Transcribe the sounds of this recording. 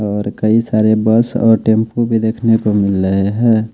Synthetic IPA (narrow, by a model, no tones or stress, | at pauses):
ɔːɾkəisaːɾebəsɔ̰ːɾʈempubʱid̪eːkʰnekomɪlɾəɦeɦɛː